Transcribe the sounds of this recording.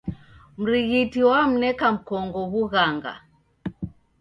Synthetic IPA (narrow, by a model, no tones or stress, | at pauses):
m̩ɾiɣitiwam̩nɛkam̩kɔŋɡɔβuɣaŋɡa̰